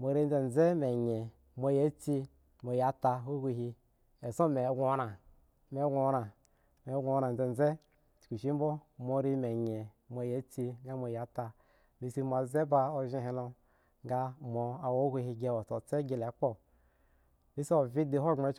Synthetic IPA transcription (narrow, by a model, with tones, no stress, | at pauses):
mo˨ɾi˦n˦d͡ze˨n˨d͡ze˦me˨ɲe˨ | mo˧je˦t͡si˦ | mo˨ja˨˦ta˧ɦu˦ɡʷu˦˧ɦi˧ | e˨sõ˦me˨˦ɡʷo˦na˨ | me˨˦ɡʷɾa˨ | me˨˦ɡʷo˨˦a˨n˨d͡ze˨n˨d͡ze̥˦˨ | ku˨ʃi˦m˦bo˦mo˨˧˦ɾi˦me˨ɲe˨ | mo˨˦je˨˦t͡si˧ɡa˦mo˨ja˨˦ta˧ | mi˨si˦m˨a˨ze˦ba˦o˦ʒĩ˦ɦẽ˧˦lo˧ | ŋɡa˦mo˨a˨wo˦ɡʷu˦ɦi˧ɡe˦wo˨t͡so˨t͡se˦ɡe˨le˨˦k͡po˦˨ | bi˦si˦o˨vi˦di˨ɦo˦˨ŋ͡me˨˦t͡ʃ